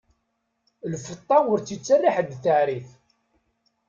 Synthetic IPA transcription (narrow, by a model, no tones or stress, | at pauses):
lfət̪ˤːɑʊɾt͡sːit͡sːarːiħəd̪θəʕɾiθ